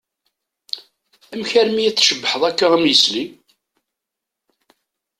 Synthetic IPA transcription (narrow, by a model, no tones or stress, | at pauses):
æmçæɾmijæt͡sːʃəbːəħəðˤækːaʁəmjəsli